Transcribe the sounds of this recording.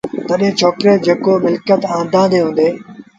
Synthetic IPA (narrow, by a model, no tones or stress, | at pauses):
t̪əɗɦẽːt͡ʃʰoːkɾeːd͡ʒeːkoːmɪlkət̪ãːnd̪ʱãːd̪eːɦũːnd̪eː